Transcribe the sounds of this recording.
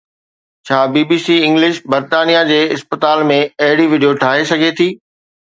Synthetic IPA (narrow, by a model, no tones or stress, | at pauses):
t͡ɕʰaːbiːbiːsiːɪ̃ŋɡlɪʃbɐɾt̪aːnijad͡ʑeːɪspət̪aːlmẽɐɦɪɽiʋɪɖijoʈʰaːɦesɐɡʱet̪ʰiː